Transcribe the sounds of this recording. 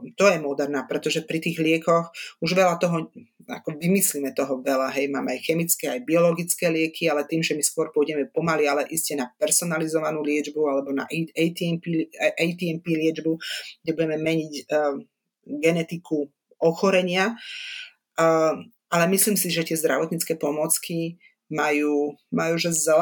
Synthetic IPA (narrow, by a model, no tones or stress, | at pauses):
t̪ɔjɛmɔd̪ɛɾnaːpɾɛt̪ɔʒɛpɾit̪iːɣlɪɛkɔxuʒʋɛlat̪ɔɦɔa̰kɔʋimislimɛt̪ɔɦɔʋɛlaɦɛjma̰ːmɛajxɛmit͡skɛajbiɔlɔɡit͡skɛːlɪɛkʰialɛt̪iːmʒɛmiskʊɔɾpuʊɔɟɛmɛpɔmalialɛʔiscɛnapɛɾsɔnalizɔʋanuːlɪɛd͡ʒbualɛbɔna̰ʔjt̪iɛmpiʔɛjt̪iɛmpiːlɪɛd͡ʒbuɡdɛbuɟɛmɛmɛɲic | ɡɛnɛt̪ikʰu | ɔxɔɾɛɲɪa | alɛmisliːmsiʒɛt̪ɪɛzd̪ɾa̰ʋɔt̪ɲit͡skɛːpɔmɔt͡ski | majuːmajuːʒɛzzɛl